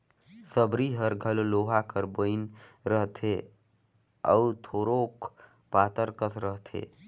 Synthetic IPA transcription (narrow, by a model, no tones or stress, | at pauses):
səbɾiɦəɾɡʱəlloɦakəɾbəɪnɾəɦt̪ʰe | ə̰ut̪ʰoɾok | pat̪əɾkət̪ʰɾəɦt̪ʰḛ